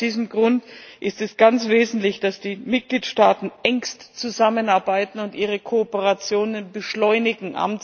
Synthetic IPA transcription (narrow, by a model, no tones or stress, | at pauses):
d̥iːzəm̩ɡʁʊntʔɪstɛsɡ̥ant͡sv̥eːzn̩tlɪçd̥asd̥iːmɪt̚ɡ̥liːtʃtaːtn̩ʔɛŋkstt͡suzamənaɐbaɪtn̩ʊntʔiːʁ̞əkʰoːpəʁat͡sjoːnənbəʃlɔʏnɪɡŋ̩ʔa̰m